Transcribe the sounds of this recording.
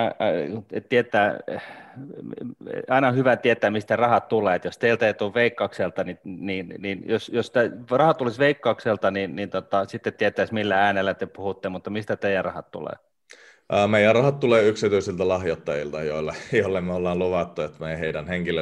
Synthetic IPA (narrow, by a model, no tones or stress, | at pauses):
ett̪iet̪ːˑæː | ɑinɑhyʋæt̪iet̪ːˑæːmist̪ærɑhɑt̪t̪uleːet̪jost̪eilt̪æeit̪uːʋʋeikːɑˑukselt̪ɑnininninjosjost̪ærɑhɑt̪ːulisʋeikːɑukselt̪ɑninnint̪ot̪ɑsit̪ːet̪t̪ːiet̪ːˑæismilːææːnelːæt̪epuhut̪ːemut̪ːɑmist̪æt̪eijærɑhɑt̪t̪ṵlḛː | əːmeijærɑhɑt̪t̪uleːyksit̪uisilt̪ælɑhjot̪ːɑjilt̪ɑjoˑilːɑjoˑlːemmeolːɑːnluʋɑt̪ːuet̪meheidænheŋkilːe